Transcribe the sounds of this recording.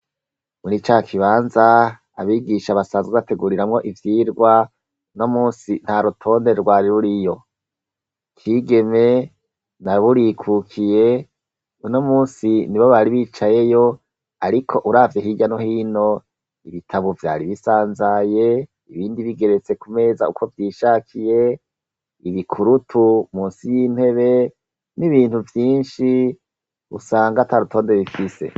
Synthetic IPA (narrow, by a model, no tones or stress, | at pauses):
muɾit͡ʃakʰiβaːnzaː | βiːɡiʃaβasaːnzweβate̞ɡuːɾiɾamŋo̞ʔivjiːɾɡwa | uno̞muːnsin̥haɾutʰo̞ːndeɾɡwaːɾiɾuɾijo̞ | kʰiːɡe̞me̞ | naβuɾikʰukʰije | uno̞muːnsiniβoβaɾiβiːt͡ʃaje̞jo | aɾikʰo̞ʔuɾavjeɦiɟano̞hiːno̞ | iβitʰaβovja̰ːɾiβisaːnzaje̞ | iβiːndiβiɡe̞ɾet͡se̞kume̞zaṵkʰo̞vjiːʃaːkʰije̞ | iβikʰuɾutʰumuːnsijiːn̥he̞βe̞ | niβiːnhuvjiːnʃi | ṵsaːŋɡataɾutʰo̞ːnde̞βifise̞̰